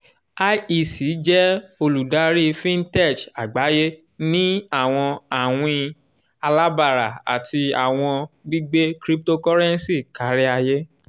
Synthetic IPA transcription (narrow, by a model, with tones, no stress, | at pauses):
a˦i˧˨si˨˦d͡ʒɛ˦o˧lu˨da˨˦ɾi˦fĩ˦n˦tɛ˦˨t͡ʃa˨ɡ͡ba˨˦je˦ | nĩ˦a˦˨w̃ɔ̃˧a˨w̃ĩ˧ | a˧la˦ba˦˨ɾa̰˨a̰˨tʰi˧a˨w̃ɔ̃˧ɡ͡bi˦ɡ͡be˦kɾi˦p̚to˦kɔ˦ɾɛ˦n˦si˦˨ka˨˦ɾɛ˦a˧je˦